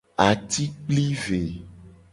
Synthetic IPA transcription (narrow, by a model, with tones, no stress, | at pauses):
a˨t̪i˦k͡pli˦ve˨